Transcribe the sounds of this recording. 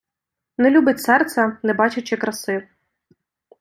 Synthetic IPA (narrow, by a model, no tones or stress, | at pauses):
nɛlʲubɪtʲsɛrt̪sʲɛnɛbɑt͡ʃɪt͡ʃɪkɾɐsɪw